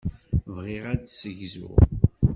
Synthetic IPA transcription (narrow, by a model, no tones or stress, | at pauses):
vʁiʁædsəʝzʊ̰